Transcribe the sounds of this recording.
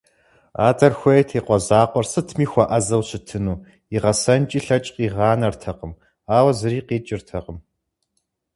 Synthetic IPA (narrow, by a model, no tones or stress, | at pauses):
a̰ːdɐrxʷɐjtʰiːqʷɔzaːqʷɔrsɨtʰmiːxʷɐʔɐzɐwɕɪtʰɨnuː | iʁɐsɐnt͡ʃʼiːɬɐt͡ʃʼqiːʁɑːnɐrtʰɐqəm | aːwɐzɨɾiːqeːt͡ʃʼɪrtʰɐqəm